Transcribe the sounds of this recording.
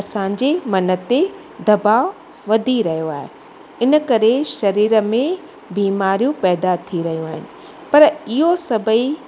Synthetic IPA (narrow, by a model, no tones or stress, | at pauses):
ɐsãːɲd͡ʑemɐnə̆t̪e | d̪ɐbaːʊ | ʋɐd̪ʱiɾɐɦijoaːɦe | ɪnəkɐɾeʃɐɾiːɾəmẽ | biːmaːɾijũpɛːd̪at̪ʰiɾɐɦijũaːɦɪnɪ̆ | pɐɾɪɦosɐbʱəi